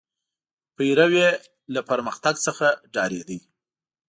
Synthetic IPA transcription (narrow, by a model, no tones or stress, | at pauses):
pəjɾawe | lapəɾməxt̪aɡsəxaɖɑɾed̪əj